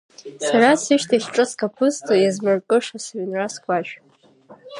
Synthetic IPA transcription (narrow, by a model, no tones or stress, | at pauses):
sarasɨʃtʰaχʈ͡ʂʼɨskʼapʰɨstʰʼojazmɨrkʼɨʂasaɥnraskʷʰʼaʃᶣ